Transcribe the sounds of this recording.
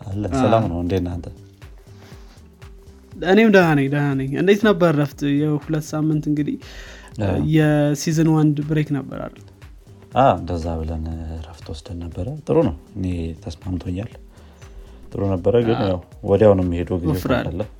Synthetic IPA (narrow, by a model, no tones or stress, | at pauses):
ʔalːənsəlamnəwɨnd̪et̪nant̪ʰə | ɨnemd̪ənanəɲd̪ənanəɲɨ̰nd̪et̪nəbːəɾːəft̪jɛhulət̪ːsamːɨnt̪ɨŋɡɨd̪ih | jɛsizɨnwand̪bɨɾeknəbːə̰ɾa̰l | ʔaɨnd̪əzːaβɨlənɾəft̪ʰwɔsd̪əlnəbːəɾət̪ʼɨɾunəwɨnet̪ʰəsmamt̪ʰoɲːal | t̪ʼɨɾunəbːəɾəɡɨnjawwɔd̪awnəɛmːihed̪uɡizefɾa̰d̪əlːəm